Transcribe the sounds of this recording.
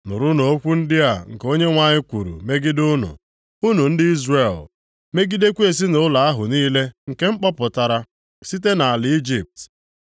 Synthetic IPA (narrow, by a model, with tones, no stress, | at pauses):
nʊ̰˨ɾʊ˦no˨o˦kʷu˦n̩˦dɪ˦a˨ŋ̩˨ko˦ɲe˦ŋʷa˦ɲɪ˦kʷu˨ɾṵ˨me˦ɡɪ˦dʊ˦nʊ̰˨ | u˦nu˨n̩˦dɪ˦i˦zre˨l | me˦ɡi˦de˦kʷe˨s̬i˦nʊ˨ʊ˦la˨a˦ɦʊ˨niː˦le˦ŋ̩˨ke˦ŋ͡m̩˦k͡pɔ˦pʊ˨ta˨ɾa˨ | si˦te˦na˨a˨lɪ˨˦i˦d͡ʒi˨p̚t